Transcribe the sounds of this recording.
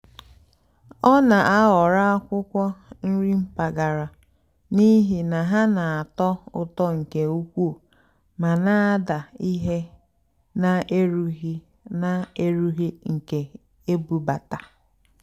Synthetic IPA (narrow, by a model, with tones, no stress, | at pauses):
ɔ˦na˨ʔa˦ɣɔ˨ɾa˦a˦kʷʊ˦kʷɔ˦n̩˦ɾi˦m̩˦pa˨ɡa˨ɾa˨ | ni˦ɦi˨na˨ɦa˦na˨a˨tɔ˦ʊ˨tɔ˦ŋ̩˨ke˨u˦kʷu˦˨ | ma˨na˦a˦da˨i˦ɦe˦ | na˨e˦ɾu˦ɦi˦ | na˦e˦ɾu˦ɦi˦ŋ̩˨ke˨ | e˦bu˨ba˨ta˨